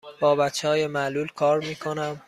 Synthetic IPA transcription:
b̥ɒːbætt͡ʃʰːehɒːjemæluːlkʰɒːɾmiːkʰo̞næm

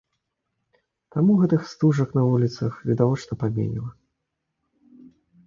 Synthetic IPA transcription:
t̪amuɣɛt̪ɨxst̪uʐɐknɐvulʲit̪sɐxvʲid̪avɔt͡ʂnɐpamʲḛnʲḭlˠɐ

